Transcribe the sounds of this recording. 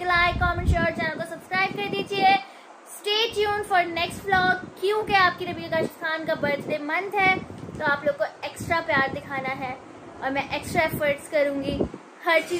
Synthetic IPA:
ɡɐlaːjkɔːmənʃɔːɾd͡ʒaankosɐbskɾaːɪb̚kɐɾd̪iːd͡ʒie | sʈeːʈjuːnfɔːɾnɛksʈflɔːɡkːjũkeaːp̚kiɾɐbʱikaʃt̪ʰaːnkabɐɾt̪ʰd̪emɐ̃nd̪ʱɦɛːt̪oaːploːɡ̚koeːksʈɾapjaːɾd̪ɪkʰaːnaɦɛː | ɔːɾmɛ̃ʔeːksʈɾaefəɾʈskɐɾũːŋɡi | hɐɾt͡ʃiː

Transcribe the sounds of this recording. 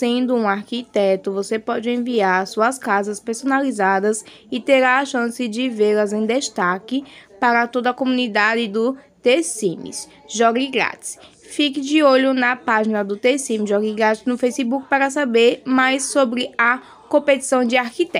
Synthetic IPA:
sẽnd̪ʊũaɾkit̪ɛt̪ʊvosepɔd͡ʒɪẽviaɾsuɐskazɐspeɾsonalizad̪ɐs | ɪt̪eɾaʃɐ̃sɪd͡ʒɪveɾlɐzẽj̃d̪eʃt̪akɪpaɾɐt̪od̪ɐkomũnid̪ad͡ʒɪd̪ʊt̪esĩmḭs | ʒɔɡiɡɾa̰t͡ʃɪ̥s | fikɪd͡ʒɪoʎʊnɐpaʒinɐd̪ʊt̪esĩmɪʒɔɡiɡɾat̪ɪznʊfejsibukɪ̥paɾɐsabeɾmajsːobɾɪɐ | kõpet̪i̥sɐ̃w̃d͡ʒɪaɾkit̪ɛ

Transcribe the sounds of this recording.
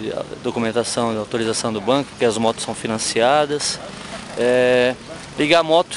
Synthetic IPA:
d̪okumẽnt̪asɐ̃w̃d̪ɪawt̪oɾizasɐ̃w̃d̪ʊbɐ̃kʊpʊɾkeɐzmɔt̪ʊsːɐ̃w̃finɐ̃siad̪ɐs | ɛ | liɡamɔt̪ʊ

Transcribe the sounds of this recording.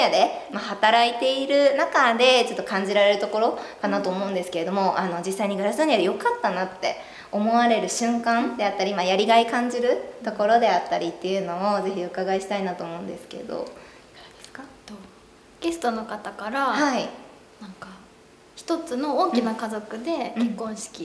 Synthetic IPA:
ɲad̪e̞ | mahat̪aɾait̪e̞iɾɯ̟nakad̪e̞t͡ɕo̞t̪ːo̞kãɲ̟d͡ʑiɾaɾe̞ɾɯ̟t̪o̞ko̞ɾo̞kanat̪o̞ːmo̞ɯ̟̃nd̪e̞sɨ̥ke̞ɾe̞d̪o̞mo̞ʔano̞d͡ʑisːaiɲ̟iɡɯ̟ɾasoɲ̟ijad̪ejo̞kat̪ːanat̪ːe̞̰ | o̞mo̞βaɾe̞ɾɯ̟ɕɨ̃ŋkãnd̪e̞at̪ːaɾʲimajaɾʲiɡaikãɲ̟d͡ʑiɾɯ̟t̪o̞ko̞ɾo̞d̪e̞at̪ːaɾʲit̪ːe̞jɯ̟no̞oze̞çiokaɡaeɕi̥t̪ainat̪o̞ːmo̞ɯ̃nd̪e̞sɨ̥ke̞̰ḛd̪o̰ | aɾad̪̥esɨ̥kat̪o | ɡ̥e̞sɨ̥t̪o̞no̞kat̪akaɾahai | nãŋka | çi̥t̪o̞t͡sɨno̞oːkʲinakazo̞kɯ̟d̪e̞kẽkːõ̞ɰ̃ɕi̥kʲi

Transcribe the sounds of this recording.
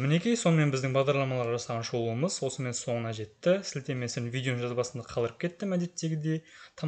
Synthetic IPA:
mɪne̞kʲijso̞nəme̞nbɪzd̪ɪŋbɑʁd̪ɑɾlˠɑmɑlˠɑɾʁɑʒɑsɑʁɑnʒo̞lˠuəməzwo̞səme̞nso̞ɴənɑʒe̞t̪ːɪsɪlt̪e̞me̞sɪɾnvijd̪ʲeoŋʒɑzbɑsənd̪ɑqʰɑlˠəɾəp̚kʲʰe̞t̪ːɪmæd̪e̞t̪ːe̞ɡʲɪd̪e̞jt̪ʰɑ

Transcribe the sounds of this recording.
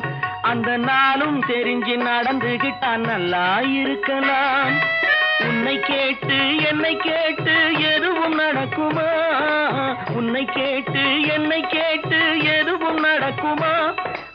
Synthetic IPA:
ɐnd̪ɐnaːlɯmt̪ɛɾɪɲd͡ʒɪnɐɽɐnd̪ɯɣɪʈːaːlnɐlːaːjɪɾɯkːɐlaːm | ʊnːɐɪkːeːʈːɯɛnːɐɪkːeːʈːɯɛðɯʋɯmnɐɽɐkːɯmaː | ʊnːɐɪkːeːʈːɯɛnːɐɪkːeːʈːɯɛðɯʋɯmnɐɽɐkːɯmaː

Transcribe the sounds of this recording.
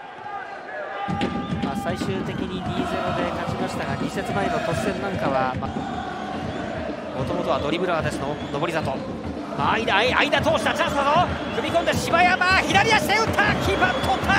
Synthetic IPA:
masaiɕɨːt̪e̞kʲiɲ̟iɾʲiːzeɾod̪e̞kat͡ɕimaɕi̥t̪aɡaɲise̞t͡sɨmaeno̞t̪o̞kɯzẽ̞nːãŋkaβama | mo̞t̪o̞mo̞t̪o̞βad̪o̞ɾʲibɯ̟ɾaɡad̪e̞sɨnono̞bo̞ɾid̪at̪o̞ | maːid̪aiaid̪at̪o̞ːɕi̥t̪at͡ɕãɰ̃sonokɯ̟mʲikõ̞nd̪eɕibajamaçid̪aɾʲiaɕeɯ̟t̪ʰakʲʰibat̪ʰot̪ʰa

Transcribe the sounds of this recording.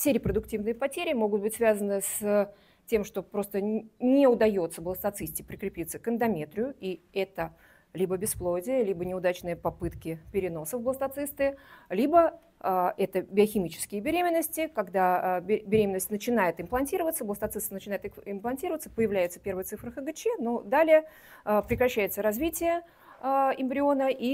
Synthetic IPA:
fsʲeɾʲɪpɾəd̪ʊktʲivnɨjəpɐtʲeɾʲɪmo̞ɡʊt̪̚bɨtʲsvʲazənɨs | tʲe̞mʂt̪o̞pɾo̞st̪ənʲɪʊd̪ɐjo̞t̪səblˠəst̪ɐt̪sɨsʲtʲɪpɾʲɪkɾʲɪpʲit̪səkənd̪ɐmʲe̞t̪ɾʲɪjʊiɛt̪ə | lʲibəbʲɪsplˠodʲɪjəlʲibənʲɪʊd̪at͡ɕnɨjəpɐpɨt̪kʲɪpʲɪɾʲɪno̞səfblˠəst̪ɐt̪sɨst̪ɨlʲibə | ʔɛt̪əbʲɪɐxʲɪmʲit͡ɕɪ̥skʲɪjəbʲɪɾʲemʲɪnːəsʲtʲɪkɐɡd̪abʲbʲɪɾʲemʲɪnəsʲtʲnət͡ɕɪn̪ajɪt̪ɪmplˠɐnʲtʲiɾəvət̪səblˠəst̪ɐt̪sɨst̪nt͡ɕɪnajɪt̪ɪɪmplˠɐnʲtʲiɾəvət̪sə̥pəjɪvlʲæjɪt̪sə̥pʲe̞rvəjət̪sɨfɾɨxəɡɨt͡ɕɛno̞d̪alʲɪjə | əpɾʲɪkɾɐɕːæjɪt̪səɾɐzvʲitʲɪjə | ɪmbɾʲɪo̞nəʔi

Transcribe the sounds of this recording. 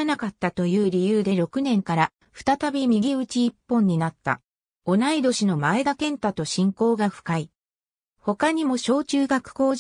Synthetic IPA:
nakat̪ːat̪o̞jɯ̟ːɾʲijɯ̟ːd̪e̞ɾo̞kɯ̟nẽ̞ŋkaɾa | ɸɯ̟̥t̪at̪abʲimʲiɡʲiɯ̟t͡ɕiːpːõ̞ɲ̟ːinat̪ːa̰ | o̞naid̪o̞ɕino̞maeɡ̪akẽ̞nt̪at̪oɕĩŋko̞ːɡaɸɯ̟̥kai | ho̞kaɲ̟imo̞ɕo̞ːt͡ɕɨːɡakɯ̟̥ko̞ː

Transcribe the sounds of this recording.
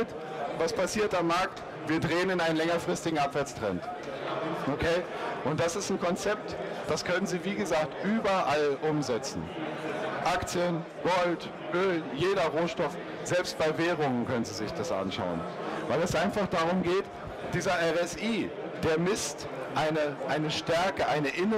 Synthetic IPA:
t | vaspʰasiːɐtamːaɐk̚t | viːɐdʁeːənɪnaɪnənlɛŋɐfʁ̥ɪstɪɡŋ̩apv̥ɛɐt͡stʁ̥ɛ̰nt | ʔokʰeːʔʊnt̚d̥asɪstn̩kʰɔnt͡sɛp̚td̥askʰœnənziːviːɡəzaːk̚tʔyːbɐʔalʔʊmzɛt͡sn̩ | ʔakt͡sjən | ɡ̥ɔlt | ʔøːljeːɾɐʁoːʃtɔf | z̥ɛlpst̚b̥aɪvɛːʁ̞ʊŋənkʰœnənziːzɪçd̥asʔa̰nʃa̰ʊən | vaɪlɛsʔaɪnfaχd̥aʁʊmɡeːt | d̥iːzɐʔɛʁɛsiː | d̥eːɐmɪst | ʔaɪnəʔaɪnəʃtɛɐkəʔaɪnəʔɪnə

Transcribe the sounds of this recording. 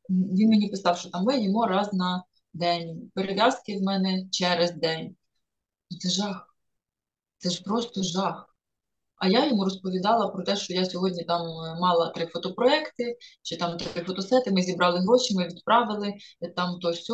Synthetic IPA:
ʋʲinmʲenʲipɪsɑwʃt͡ʃɔt̪ɑmːɪjɔmuɾɑznɐ | d̪ɛnʲpeɾeʋʲjɑskɪwmɛnɛt͡ʃɛɾezd̪ɛnʲ | nʊt̪sɛʒɑx | t̪ɛʒpɾɔst̪ɔʒɑx | ɐjajɔmuɾɔspɔʋʲid̪ɑlˠɐpɾɔt̪ɛʃt͡ʃɔjasʲɔɦɔdʲnʲit̪ɑmmɑlˠɐt̪ɾɪfɔt̪ɔpɾɔɛkt̪ɪt͡ʃɪt̪ɑmt̪ɾɪt̪ɾɪfɔt̪ɔsɛt̪ɪmɪzʲibɾɑlˠɪɦɾɔʃimɪʋʲid̪̚pɾɑʋɪlˠɪt̪ɑmt̪ɔsʲ

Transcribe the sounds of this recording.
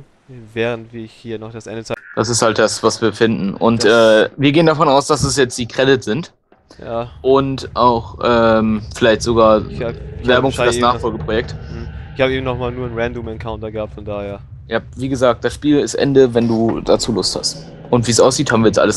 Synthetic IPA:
vɛːʁəntv̥iːɐɪçhiːɐnɔχd̥asʔɛ̰ndət͡sad̥asɪsthalt̚d̥asv̥asv̥iːɐfɪndn̩ʔʊ̰ntʔɛːviːɐɡeːəndafɔnaʊsd̥asɛsjɛt͡std̥iːkʁ̥ɛdɪtz̥ɪnt | jaːʔʊntʔaʊxʔɛːmfɪlaɪçtz̥oɡaːɐvɛɐbʊŋfyːɐdasnaːχfɔlɡəpʁ̥ojɛk̚t̩ɪçhaːbəeːbm̩nɔχmaːlnuːɐnʁɛndumɛnkʰaʊntɐɡəhaːp̚tfɔndaːheːɐ | jaːviːɡəzaːk̚t̚d̥asʃpiːlɪstʔɛ̰ndəvɛnduːdat͡suːlʊstha̰st | ʔʊntv̥iːsʔaʊs̬z̥iːthabmvːɐjɛt͡stʔa̰ləs

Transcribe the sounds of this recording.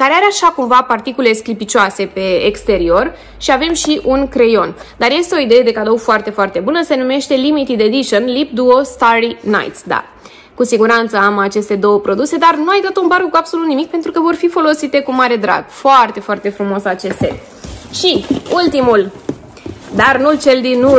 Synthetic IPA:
kaɾeaɾeaʃakumvapart̪ikule̞sklipit͡ʃoase̞pe̞ːkst̪e̞ɾio̞r | ʃiave̞mʃiʔunkɾe̞jo̞nd̪arje̞st̪e̞o̞id̪e̞je̞d̪e̞kad̪o̞wfoart̪e̞foart̪e̞bunəse̞nume̞ʃt̪e̞limit̪id̪ed̪iʃonlip̚d̪uo̞st̪aɾina̰jt̪sd̪a̰ | kusiɡuɾant̪səamat͡ʃe̞st̪e̞d̪o̞wəpɾo̞d̪use̞d̪arnuajd̪at̪ounbaɾɡukuapso̞lut̪nimik̚pe̞nt̪ɾukəvo̞rfifo̞lo̞sit̪e̞kumaɾe̞d̪ɾa̰bfoart̪e̞foart̪efɾumo̞sat͡ʃe̞st̪ḛ | ʃiult̪imul | d̪arnult͡ʃe̞ld̪inu

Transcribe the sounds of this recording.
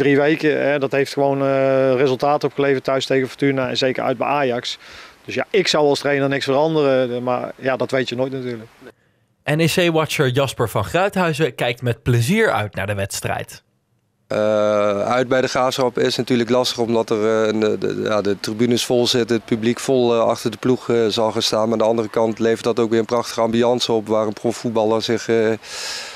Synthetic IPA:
driʋejkəɛdɑtɦejftxəʋownərezəlˠtaːtəɔpxəlejvəɹtœɥstejɣəfɔtynaɛ̰nzejkə̰ɹœ̰ɥd̚bɛ̰jaːjɑksd̥ɵsja̰ʔɪksɑwɑlˠstrejnənɪksfərɑndərəma̰ɹjadɑtʋejtjənojtnatyːɹlək | ʔɛnesejʋɑt͡ʃəɹjɑspəɹvɑnχrœɥtɦœɥzəkɛjk̚tmɛt̚pləziːɹœ̰ɥtnaːɹdəʋɛtstrɛ̰jt | əœɥd̚bɛjdəχaːfsrɑpɪsnatyːɹləklɑstəχɔmdɑtərənjaːdətribynəsfɔlˠzɪtəət̚pyblikfɔlˠɑ̰χtəɹdəpluχzɑlˠχaːnstaːnmaːndəɑndərəkɑntlejvəɹtdɑtowkʋɪːɹənprɑχtə̥χəɑmbyɑnsəɔpʋaːrənprofut̚bɑlˠəɹzɪχ

